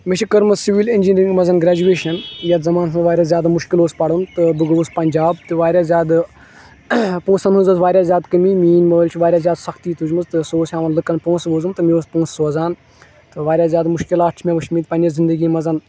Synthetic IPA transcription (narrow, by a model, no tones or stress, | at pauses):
met͡ʃʰikəɾmɨzsiʋilinʲd͡ʒinʲɾĩŋɡmɐzɐnɡɾʲaːd͡ʒueːʃɐnjɐt̪zɐmaːnsʰɐʋaːɾʲjaːzʲjaːd̪amuʃkiloːspɐɽunt̪ɨbɨɡʋuspɐnʲd͡ʒaːbt̪ɨʋaːɾʲjaːzʲjaːd̪ | põːsɐnɦuzɐzʋaːɾʲjaːzʲjaːd̪kəmiːmiːnməːlʲt͡ʃʰiʋaːɾʲjaːzʲjaːd̪sɐkt̪iːt̪ʰud͡ʒmɨzt̪ɨsoːsʲaːʋɐnlɨkɐnpõːsʋoːzɨmt̪ɨmioːspõːssoːzaːn | t̪ɨʋaːɾʲjaːzʲjaːd̪mʊʃkilaːʈt͡ʃʰmʲẽʋɐʃʰmiːt̪̚pɐnʲɐzind̪əɡiːmɐzɐn